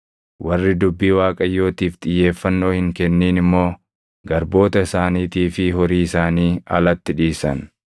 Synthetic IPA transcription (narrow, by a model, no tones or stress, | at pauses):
wɐrːɪd̪ʊbːiːwaːkʼɐjːo̞ːt̪iːft̪ɪjːe̞ːfːɐnːo̞ːhɪŋkɛnːiːnɪmːo̞ː | ɡɐɾbo̞ːt̪ɐɪsaːniːt̪iːfɪɦɔɾiːɪsaːniːɐ̰lɐt̪ːɪᶑiːsɐ̰n